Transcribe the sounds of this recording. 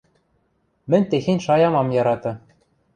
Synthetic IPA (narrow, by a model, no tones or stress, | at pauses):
mɘ̆nʲt̪exenʲʃɑjɑmɑmjɑɾɑt̪ɤ̆